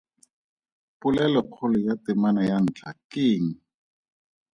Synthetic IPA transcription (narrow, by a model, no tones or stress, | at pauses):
pʊlɛlɔq͡χʰʊlɔjatɪmanajan̩ːt͡ɬʰakɪːŋ̩